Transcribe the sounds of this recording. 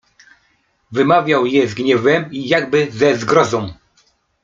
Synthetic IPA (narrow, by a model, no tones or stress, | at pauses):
vɘmavʲjawjɛzɡɲɛvɛmijaɡbɘzɛzɡɾɔzɔ̃w̃